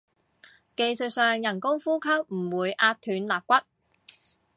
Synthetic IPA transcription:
ke˧jsɵ˨˧t̚sœː˨ŋjɐ˨˩nkʊ˥ŋfuː˥kʰɐ˥k̚m̩˨˩wuː˨˧jʔaː˧t̚t̪ʰyː˨˧nlaː˨p̚kʷɐ˥t̚

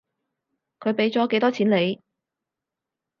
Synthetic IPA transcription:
kʰɵ˨˧ɥpe˨˥jt͡sɔː˨˥ke˨˥jt̪ɔː˥t͡sʰiː˨˥nle˨˧j

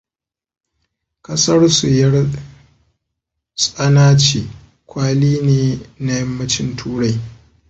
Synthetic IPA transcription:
kʼɐ˦sɐ˦rsʊ˨jɐ˦r | sʼɐ˦naː˦t͡ʃiː˨ | kʷaː˦liː˦neː˨na˦jɐ˦mːɐ˦t͡ʃɪ˦ntʰuː˦ɽa˦˨j

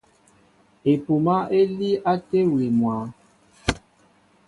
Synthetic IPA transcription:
e˨pu˨ma˦e˦li˦a˦te˦we˨mwa˨˦

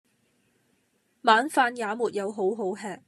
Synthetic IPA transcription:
maː˨˥nfaː˧njaː˨˥muː˨t̚jɐ˨˧wɦo˨˥wɦo˨˥wɦɛː˨˧k̚

